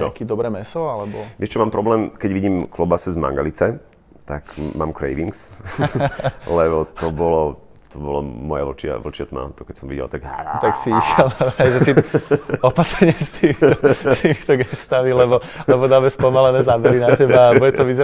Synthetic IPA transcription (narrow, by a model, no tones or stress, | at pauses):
nɔ̰kiːd̪ɔbɾɛːmɛsɔalɛbɔʋɛt͡ʃɛmaːmpɾɔblɛːmkɛɟʋiɟiːmklɔbasɛzma̰ŋɡa̰lit͡sɛ | t̪akma̰ːmkɾɛ̰jʋiŋks | lɛbɔt̪ɔbɔlɔ | t̪ɔbɔlɔ̰mːɔja̰ʋɔlt͡ʃɪa̰ʋɔlt͡ʃɪat̪ma̰t̪ɔkɛcsɔmʋḭɟɛ̰lt̪aɡt̪aksiiʃɛlɛjʒɛsiɔpat̪ɾɲɪɛst̪ʰiːmiɔt̪iːmit̪ɔɡɛst̪amilɛbɔlɛbɔd̪aːmɛspɔmalɛnɛːzaːbɛɾinacɛbalɛbuɟɛt̪ɔʋizɛ